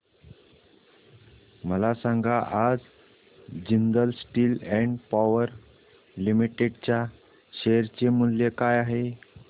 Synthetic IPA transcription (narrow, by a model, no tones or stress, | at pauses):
məlasãŋɡaʔad͡z | d͡ʑind̪əlsʈiːlɛ̃ɳɖpaʋəɾ | limiʈeɖt͡ɕja | ɕejəɾt͡ɕemuljekajaɦe